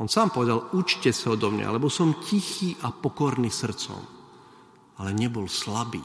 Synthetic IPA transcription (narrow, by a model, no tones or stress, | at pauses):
ɔnsaːmpɔʋɛd̪alut͡ʃcɛsaɔd̪ɔmɲa̰lɛbɔsɔmcixiːʔapɔkɔɾniːsr̩t͡sɔ̰m | alɛɲɛbɔlslabḭː